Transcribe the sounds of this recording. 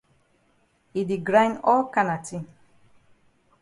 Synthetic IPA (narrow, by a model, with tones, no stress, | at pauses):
i˨di˨ɡɾã˦j̃nɔ˦lka˦na˨tĩ˦